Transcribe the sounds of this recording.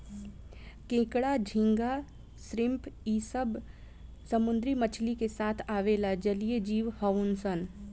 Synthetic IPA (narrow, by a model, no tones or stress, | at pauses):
kẽːkɽad͡ʒʱɪ̃ŋɡa | sɾɪ̃mpiːsəb | səmʊ̃nd̪ɾimət͡ʃʰlikesaːt̪ʰaːʋeːlad͡ʒəlijed͡ʒiːʋhəʊnsən